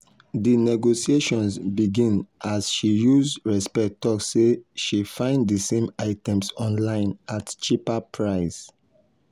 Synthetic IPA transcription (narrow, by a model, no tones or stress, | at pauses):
dinɛɡosieʃɔ̃nsbiɡĩnʔasʃijuzɹɛspɛtɔksːeʃifãɪ̃nddisẽmaɪtɛ̃msɔ̃nlãɪ̃natt͡ʃipapʰɹaɪs